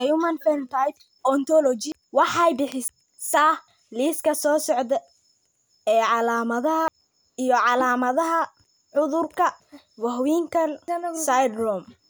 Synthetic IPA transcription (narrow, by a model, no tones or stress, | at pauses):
jumɐnfɛnt̪ʰajt | ɔnt̪ʰɔlɔt͡ʃɪ | wɑħɑjbɪħɪ | saː | liːskʰɐsɔːsɔʕd̪ɛ | ɛːʕɑlaːmɐðɐɦɐ | ijɔʕɑlaːmɐðɐɦɐ | ʕʊðʊrkʰɐ | wɐɦwiːŋkʰɐlsajd̪rɔm